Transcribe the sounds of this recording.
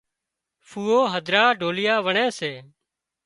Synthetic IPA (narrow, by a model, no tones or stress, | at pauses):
fʰuːoːɦəd̪ʱɾaːɖʱoːlɪjaːʋəɳɛ̃ːseː